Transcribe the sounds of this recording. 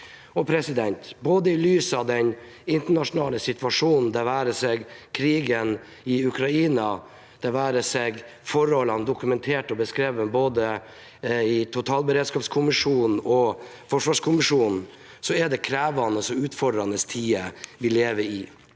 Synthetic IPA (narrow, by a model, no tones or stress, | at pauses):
ɔpʰɾɛsɪd̪ɛnt̪boːd̪əɪlyːsəɑʋd̪ɛn | ɪnt̪əɳɑʂʊnɑːləsɪt̪ʰʋɑʂuːnn̩d̪ɛʋæːɾəsɛɡkʰɾiːɡən | ɪʉkʰɾɑiːnɑ | d̪̥ɛʋæːɾəsɛɡfɔɾɔlɑnd̪ʊkʉmɛnt̪ʰeːʈɔbəskɾeːʋənboːd̪ə | ɪt̪ʰʊt̪ʰɑːlbəɾeːd̪skɑːpskʰʊmɪʂuːnn̩ɔ | fɔʂʋɑːʂkʰʊmɪʂuːnn̩ | sɔɛɖɛkʰɾæːʋɑnəsɔʉːt̪fɔɖɾɑnəst̪ʰiːəʋɪlːeːʋəɪ